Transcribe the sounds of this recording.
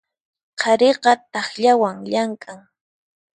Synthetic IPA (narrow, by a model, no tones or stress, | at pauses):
qʰɑɾeqɑt̪ɑχʎawaŋʎaŋkʼaŋ